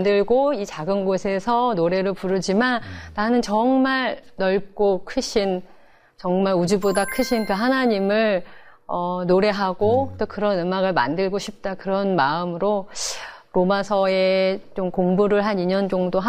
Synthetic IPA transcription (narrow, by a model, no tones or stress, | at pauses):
dɯɭɡoit͡ɕaɡɯnɡosʰesʰʌnoɾe̞ɾɯɭpuɾɯd͡ʑimanːanɯnt͡ɕʌŋmaɭnʌɭp̚k͈okʰɯɕʰin | t͡ɕʌŋmaɭud͡ʑubodakʰɯɕʰinkɯɦanaɲimɯɭ | ʌnoɾe̞ɦaɡot͈okɯɾʌnɯmaɡɯɭma̰ndɯɭɡoɕʰip̚t͈akɯɾʌnmaɯmɯɾo | ɾomasʰʌe̞t͡ɕomkoŋbuɾɯɭɦaniɲʌnd͡ʑoŋdoɦa